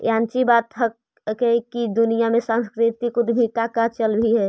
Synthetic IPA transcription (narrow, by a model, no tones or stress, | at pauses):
jãːnt͡ʃibaːt̪ɦə | kekid̪ʊnijamẽsãnskɾɪt̪ikʊd̪ɦit̪akat͡ʃəlbʱiɦɛ